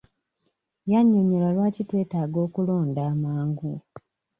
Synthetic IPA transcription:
jaɲːoɲelalwaːcitwe̞ːtaːɡo̞ːkulo̞ːndaːmaːŋɡu

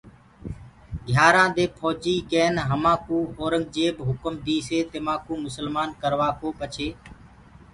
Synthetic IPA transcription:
ɡʱjaːɾãːd̪eːpʰɔːd͡ʒiːkeːnɦəmãːkũːoːɾəŋɡ̚d͡ʒeːbɦʊkəmd̪iːseːt̪emãːkũːmʊsəlmaːnkəɾʋaːkoːpət͡ʃʰeː

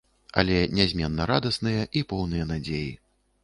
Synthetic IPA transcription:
ɐ̰lʲɛnʲɛzʲmʲɛnːɐɾad̪ɐsnɨjɐʔipɔwnɨjɐnad͡zʲeji

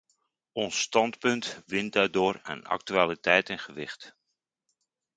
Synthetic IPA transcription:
ʔɔnstɑntpɵntʋɪndaːdʊːrə̰na̰k̚tyaːlitʰɛjtɛnχəʋɪχt

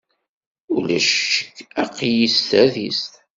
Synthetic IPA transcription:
ulæʃə̥kːæqːjist̪æðist̪

